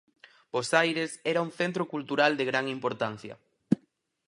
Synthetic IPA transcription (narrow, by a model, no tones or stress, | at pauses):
b̥osajɾesɛɾɐuŋθent̪ɾokult̪uɾald̪eɣɾaŋimpoɾt̪an̟θjɐ̰